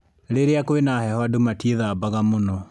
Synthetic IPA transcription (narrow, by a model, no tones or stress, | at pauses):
ɾeɾeakoenahɛhɔadomatieðabaɣamonɔ